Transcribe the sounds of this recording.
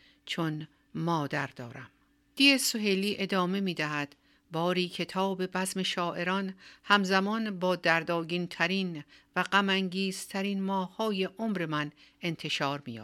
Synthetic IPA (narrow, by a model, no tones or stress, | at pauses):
t͡ʃʰon | mɒːd̪æɾd̪ɒːɾæm | d̪̥iːesoɦeliːʔe̞d̪ɒːme̞miːd̪æɦæd̪̥ | bɒːɾiːcʰe̞t̪ʰɒːbe̞bæzme̞ʃɒːʔe̞ɾɒnhæmzæmɒnbɒːd̪æɾd̪ɒːɡint̪ʰæɾiːnvæɢæmæŋɟiːz̥t̪ʰæɾiːnmɒːhɒːje̞ʔomɾe̞mæn | e̞nt̪ʰe̞ʃɒːɾmiːjɒ̰ː